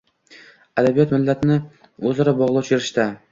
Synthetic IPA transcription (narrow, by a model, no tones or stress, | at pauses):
ad̪abijɒt̪mɪlːat̪ʰnɪ | ɵzɒɾabɒʁlˠɒt͡ʃʰeɾɪʃt̪a